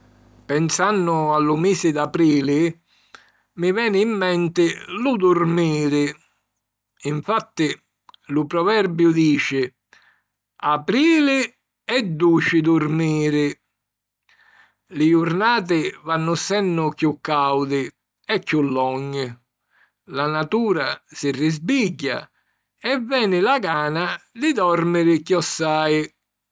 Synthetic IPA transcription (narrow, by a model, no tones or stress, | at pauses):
pɛnsanːʊalːʊmiːsɪd̪apɾiːlɪ | mɪvɛːnɪːmːɛnt̪ɪlud̪urmiːɾɪ | iɱfat̪ːɪ | lʊpɾɔvɛrbjʊd̪iːt͡ʃɪ | apɾiːlɪ | ɛd̪ːuːt͡ʃɪd̪urmiːɾɪ | lɪjurnaːt̪̬ɪvanːʊsɛnːʊkjukːawd̪ɪ | ɛkːulːɔɲː | lanat̪uːɾasɪrːɪzbiɟːa̰ | ɛvːɛːnɪlaɡaːnad̪ɪd̪ɔrmɪɾɪkjɔsːaːj